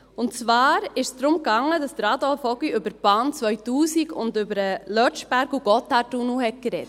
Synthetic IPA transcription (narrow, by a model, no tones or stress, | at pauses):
ʊnt͡sʋɑːɾɪʃsd̪ɾʊmkɑŋːədɑstɾɑdɔlfɔɡiʏbəɾb̥ɑːnt͡sʋœʏtuːsiɡʊ̰ndʏbəɾəlœt͡ʃb̥æɾɡuɡ̥ɔtɑtunuhɛt̚kɾɛt